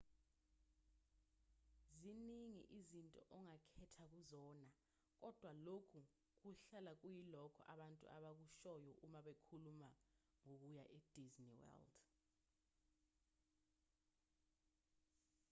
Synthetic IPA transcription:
ziniŋḭʔizintʼɔʔɔŋakʰɛtʰak̬uzɔna | k̬ɔd̥ʱwalokʰu | k̬uɬalak̬ujilɔkʰɔʔaɓantʼṵʔaɓak̬uʃɔjɔʔumaɓekʰuluma | ŋok̬ujaʔed̥ʱizniwɛ̰ld

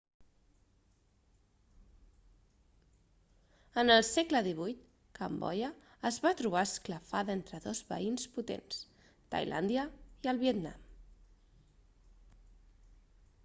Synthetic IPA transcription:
ənəlˠsɛkləðiβujt̪ | kəmbɔ̰jəː | zβat̪ɾuβaəskləfaðent̪ɾəðozβə̰insput̪ḛns | t̪a̰jlʔa̰nd̪jəiəlˠβiət̪na̰m

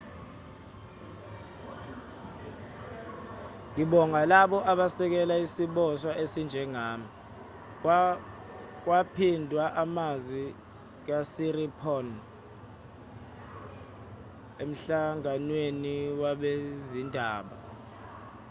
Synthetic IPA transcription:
ŋiɓɔŋalaɓɔʔaɓasɛk̬ɛlaisiɓɔswaʔesind͡ʒʱɛŋaːmi | k̬wapʰindʱwaʔamazwi | k̬asiripʰɔn | em̩ɬaŋanweniwaɓezindʱaːɓa

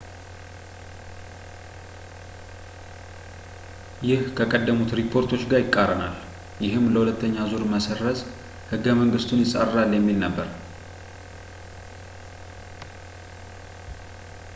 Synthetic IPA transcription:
jɪhkʰəkʼəd̪ːəmut̪ɾipʰːo̞ɾt̪ʰo̞t͡ʃːɡajɪkʼːaɾəna̰l | jɪɦɨmːləhulət̪ːəɲːazuɾməsərːəz | hɨɡːəməŋɡɨst̪ʰunjɪsʼa̰rːaljɛmːilnəbːəɾ

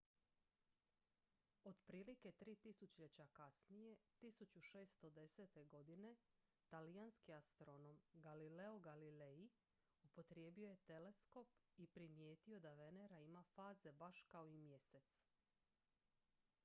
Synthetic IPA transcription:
o̞d̪pɾiːlike̞t̪ɾiːt̪isut͡ɕʎet͡ɕakasnije̞t̪isut͡ɕuʃe̞ːst̪o̞d̪e̞se̞t̪e̞ɡo̞d̪ine̞ | t̪alijanskiast̪ɾo̞no̞mɡalile̞oɡalile̞i | upo̞t̪ɾje̞ːbio̞je̞t̪e̞le̞sko̞pipɾimje̞ːt̪io̞d̪aʋe̞ne̞ɾaimafaːze̞baʃkaoimje̞se̞t̪s

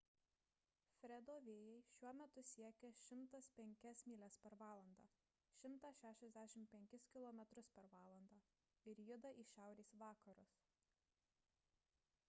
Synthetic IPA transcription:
fʲɾʲɛd̪oːʋʲeːjɛɪʃʲuɔmʲɛt̪ʊsʲiɛkʲɛʃʲɪmˑt̪ɐspʲɛŋʲkʲɛsmʲiːlʲɛspʲɛɾʋɑːlˠɐnd̪ɑː | ʃʲɪmt̪ɑʃʲæːʃʲɛzʲd̪ʲæʃʲɪmpʲɛŋʲkʲɪskʲɪlˠɔːmʲɛt̪ɾʊspʲɛɾʋɑːlˠɐnd̪ɑː | ɪɾjʊd̪ɐʔiːʃʲæˑʊɾʲeːsʋɑːkɐɾʊs

